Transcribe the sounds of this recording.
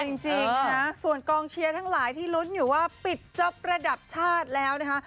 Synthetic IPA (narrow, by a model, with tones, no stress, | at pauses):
t͡ɕi˧ŋt͡ɕi˧ŋa˦˥su˨˩ənkɔː˧ŋt͡ɕʰi˧ɐt̪ʰa˦˥ŋlaː˩˦jt̪ʰiː˥˩lu˦˥njuː˨˩waː˥˩pi˨˩t̪̚t͡ɕɤ˦˥p̚ɾa˧da˨˩p̚t͡ɕʰaː˥˩t̪̚lɛː˦˥wna˦˥kʰa˦˥